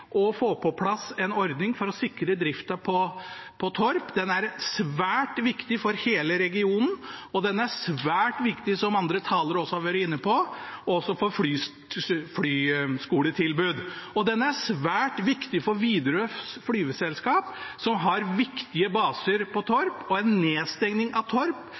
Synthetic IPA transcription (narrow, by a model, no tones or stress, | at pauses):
ʔɔfoːpʰɔpʰlɑsɛnɔɾd̪nɪŋfɔɾɔsɪkɾəd̪ɾɪft̪ɑpʰɔpʰɔt̪ʰɔɾpd̪ɛnæɾsʋæːʈʋɪkt̪ɪfɔɾheːləɾɛɡɪuːnn̩ɔd̪ɛnːəæsʋæːʈʋɪkt̪ɪsɔmɑnd̪ɾət̪ʰɑːləɾɔsːɔhɑɾʋœːɾɪnːəpʰɔɔsːɔfɔfɽyː | fɽyːskuːlət̪ʰɪlbʉːd̪ɔd̪ɛnːəæsʋæːʈʋɪkt̪ɪfɔɾʋiːd̪ɾəsfɽyːʋəsɛlskɑːpsɔmɦɑɾʋɪkt̪ɪəbɑːsəɾpʰɔt̪ʰɔɾpɔɛnːeːst̪ɛŋnɪŋɑʋt̪ʰɔɾp